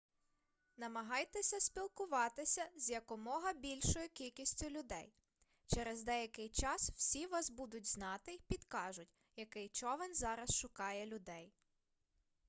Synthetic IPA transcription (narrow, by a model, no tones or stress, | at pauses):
nɐmɐɦɑjt̪ɛsʲɐsʲpʲilˠkʊʋɑt̪ɪsʲɐzʲjɐkɔmɔɦɐbʲilʲʃɔjʊkʲilʲkʲisʲtʲʊlʲʊd̪ɛj | t͡ʃɛɾɛzd̪ɛjɐkɪjt͡ʃɑsw̥sʲiʋɑsbud̪ʊtʲznɑt̪ɪpʲid̪kɑʒʊtʲ | jɐkɪjt͡ʃɔʋɛnzɑɾɐsʃʊkɑjɛlʲʊd̪ɛj